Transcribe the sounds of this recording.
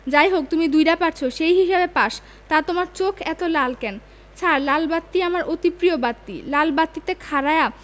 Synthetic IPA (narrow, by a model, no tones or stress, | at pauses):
d͡ʑajɦok̚t̪umid̪ujɾapaʈt͡ɕʰoʃejɦiʃebepaʃ | t̪at̪omaɾt͡ɕokʰɛt̪olalkɛn | t͡ɕʰaɾlalbat̪ːiamaɾʔot̪ipɾiobat̪ːḭlalbat̪ːit̪ekʰaɾaea